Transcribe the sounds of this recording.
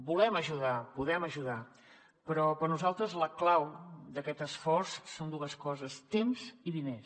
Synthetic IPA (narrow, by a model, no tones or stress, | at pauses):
bulɛməʒuðapuðɛməʒuða | pɾɔpəɾnuzalˠt̪ɾəzləklawd̪əkɛt̪əsfɔrsːond̪uəskɔzəst̪emziðines